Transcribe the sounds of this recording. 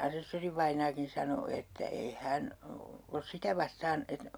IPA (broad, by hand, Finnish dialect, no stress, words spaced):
ɑsesːoriʋɑinˑɑːkin̞ sɑno etːæ ei hæn os sitæ ʋɑstɑːn et